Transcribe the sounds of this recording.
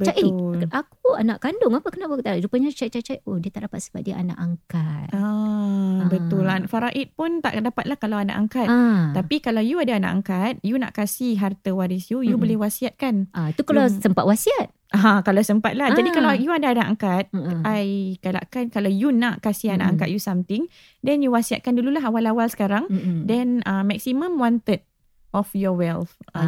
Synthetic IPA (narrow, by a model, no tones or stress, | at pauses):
bət͡ʃatelakua̰naʔkandʊŋapakənaʔpwaut̪aaɾupaɲat͡ʃajt͡ʃajt͡ʃajohdiət̪aʔdapat̪səmpa̰t̚diaʔana̰ʔaŋkat̪̚a | bət̪ʊlafaɾaʔit̪̚pʊnt̪a̰ʔdapat̪̚lahkalawana̰ʔaŋkat̚t̪ːapikalawjuadaana̰ʔa̰ŋkat̪̚junã̰ʔkasihɦart̪əwaɾisjujubolɛhwasiat̪̚kanat̪ukalasəmpat̪̚wasiat̪̚ʔaãkalawsəmpat̪̚lahd͡ʒadikalajuadaːnaʔaŋkat̪̚ajkala̰ʔkankalawjunaʔkasihana̰ʔaŋkat̪̚jusamt̪ɪŋ | dɛnjuwasia̰t̪̚kandululaɦawalawalsə̥kaɾaŋdɛnəmːɛksimə̃mwɔnt̪əd̚ | ʔɔfjɔwɛlta